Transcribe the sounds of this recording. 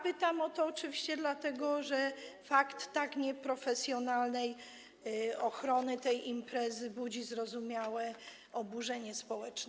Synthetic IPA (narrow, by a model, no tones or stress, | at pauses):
pɘt̪amɔt̪ɔːt͡ʂɘvʲiɕt͡ɕɛd̪lat̪ɛɡɔʐɛfakt̪ːakɲɛpɾɔfɛsʲjɔnalnɛj | ɔxɾɔnɘt̪ɛjʔimpɾɛzɘbud͡ʑizɾɔzumʲjawɛ | ɔbuʐɛɲɛspɔwɛt͡ʂnɛ